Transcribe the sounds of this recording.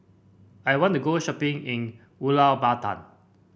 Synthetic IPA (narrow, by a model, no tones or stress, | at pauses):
ajwɔ̃ntuɡoʃɔpɪ̃ŋĩn | ulabatã̰n